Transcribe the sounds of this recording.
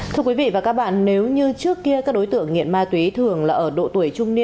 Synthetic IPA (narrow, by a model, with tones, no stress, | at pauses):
t̪ʰɨ˧əkwi˨˦vḭ˧˨vaː˨˩kaː˦˥k̚ɓa̰ː˧˨nne˨˦wɲɨ˧t͡ɕɨ˦˥əkːi˧əkaː˦˥k̚ɗo˨˦jt̪ɨ̰˧˨əŋːḭ˧˨ənmaː˧t̪wi˨˦t̪ʰɨ˨˩əŋlaː˨˩ʔəː˧˩ɗo̰˧˨t̪u˧˩əjt͡ɕʊ˧ŋ͡mni˧ə